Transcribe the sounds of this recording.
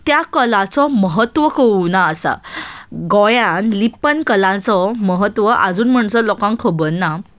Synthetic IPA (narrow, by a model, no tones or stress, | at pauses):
t̪jakəlãt͡sɔməɦət̪ʋəkʰəunaːsa̰ɡɔjãnlipənkəlãt͡sɔməɦət̪ʋəʔa̰d͡zuːnm̤əɳsəlɔkãŋkʰəbənːa